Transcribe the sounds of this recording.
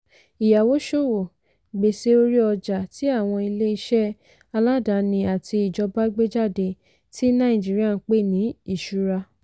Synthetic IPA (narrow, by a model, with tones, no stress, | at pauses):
i˨ja˨wo˨˦ʃo˦˨wo˨ | ɡ͡be˨se˨˦o˧ɾi˦ɔ˧d͡ʒa˨ti˨˦a˦˨w̃ɔ̃˧i˧le˦i˧ʃɛ˦ | a˧la˦da˨˦nĩ˧a˨tʰi˧i˨d͡ʒɔ˧ba˦ɡ͡be˦d͡ʒa˦˨de˧ | ti˦nã˦ĩ˦˨d͡ʒi˨˦ɾi˦a˦˧n̩˧˦k͡pe˦˨nĩ˨˦i˦˨ʃu˨˦ɾa˧